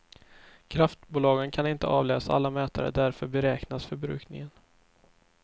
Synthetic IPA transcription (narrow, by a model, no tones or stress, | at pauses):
kʰɾaft̪buːlɑːɡənkʰanɪnt̪əʔɑːvlɛːsaa̰lːamɛːt̪a̰ɾə̰d̪æɾfœɾbɛɾɛːknasfœɾbɾʉ̟̰ːknɪ̰ŋən